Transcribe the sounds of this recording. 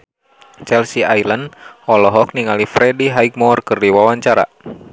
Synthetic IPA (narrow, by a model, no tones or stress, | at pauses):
t͡ʃɛlsiajlənɔlɔɦɔk̚niŋalifɾɛdiɦaik̚mɔrkɨrdiwawaɲt͡ʃaɾa̰